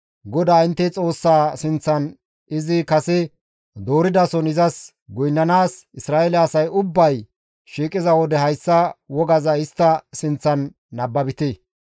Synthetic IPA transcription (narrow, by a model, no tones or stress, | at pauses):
ɡɔd̪aːɪnt̪ːɛt͡sʼo̞ːsːaːsɪnt͡sːɐn | ɪzɪkɐsɛ | d̪o̞ːɾɪd̪ɐsɔnɪzɐs | ɡɔjnːɐnaːsɪsɾaːɛlɛɐsɐjʊbːɐj | ʃiːkʼɪzɐwɔd̪ɛɦɐjsːɐwɔɡɐzɐɪst̪ːɐsɪnt͡sːɐnː | ɐbːɐbɪt̪e